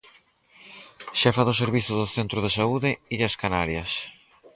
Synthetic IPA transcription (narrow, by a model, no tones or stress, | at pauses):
ʃafaðoseɾβiθʊðʊθent̪ɾʊðesauðɪiðɐskanaɾjɐs